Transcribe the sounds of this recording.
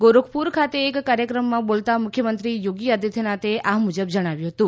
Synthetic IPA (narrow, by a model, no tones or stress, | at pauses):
ɡoɾokʰpuɾkʰat̪eːkːaɾjəkɾəmːãbolt̪amʊkʰjəmənt̪ɾijoɡijad̪ʱit̪ʰenat̪eʔamud͡ʒəbd͡ʒəɽ̃aʋjũɦət̪ũ